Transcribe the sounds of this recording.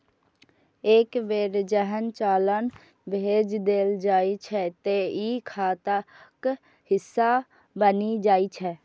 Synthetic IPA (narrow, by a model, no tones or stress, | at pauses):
eːkʋeːɾd͡ʒəɦənt͡ʃaːlən | bʱeːd͡ʒd̪eːld͡ʒaːit͡ʃʰɛt̪eikʰaːt̪a | k | hɪsːa | bənid͡ʒaːit͡ʃʰɛː